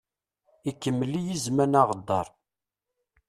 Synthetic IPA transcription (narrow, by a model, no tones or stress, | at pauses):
ikːəmːəlːijizmænaʁəd̪ːɑ̰ɾˤ